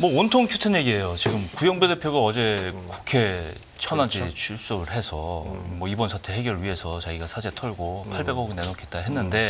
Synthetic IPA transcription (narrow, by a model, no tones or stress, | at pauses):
mʌontʰoŋkʰjutʰenje̞ɡie̞jot͡ɕiɡɯmkujʌŋbude̞pʰjoɡaʌd͡ʑe̞ku̥kʰe̞ | t͡ɕʰʌnad͡ʑit͡ɕʰuɭs͈ʌɡɯɭɦe̞sʰʌmwʌibʌnsʰatʰe̞ɦe̞ɡjʌɾɭɥiɦe̞sʰʌt͡ɕaɡiɡasʰad͡ʑe̞tʰʌɭɡopʰaɭbe̞ɡʌɡine̞nokʰet̚t͈aɦe̞nːɯnde̞